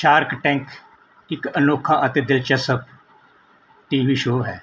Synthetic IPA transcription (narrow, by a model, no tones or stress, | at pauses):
ʃaːɾkʈɛ̃ːŋk | ɪkənoːkʰãːʔət̪eːd̪ɪlt͡ʃəsəp | ʈiːʋiːʃoːɦɛː